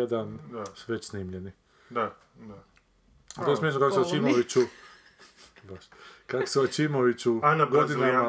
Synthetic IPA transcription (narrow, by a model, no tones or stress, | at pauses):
ed̪anasʋet͡ɕsniːmʎeni | d̪a | a | at̪oesmʲjeʃ̬nokakoseat͡ʃimoʋit͡ɕu | baʃkako̥seʋat͡ʃimoʋit͡ɕunɡod̪inama